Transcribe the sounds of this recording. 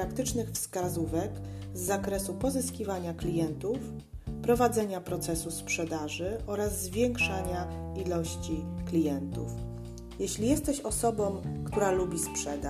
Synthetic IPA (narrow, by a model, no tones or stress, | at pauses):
ɾakt̪ɘt͡ʂnɘxfskazuvɛk | zːakɾɛsupɔzɘskʲivaɲaklʲijɛnt̪uf | pɾɔvad̪zɛɲapɾɔt̪sɛsuspʂɛd̪aʐɘʔɔɾazːvʲjɛŋkʂaɲailɔɕt͡ɕiklʲijɛnt̪ṵf | jɛɕlʲijɛst̪ɛɕɔsɔbɔmkt̪uɾalubʲispʂɛd̪a